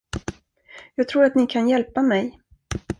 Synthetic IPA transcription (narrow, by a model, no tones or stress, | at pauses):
jɑːɡt̪ʰɾuːɾat̪nɪkʰanjɛlpamɛj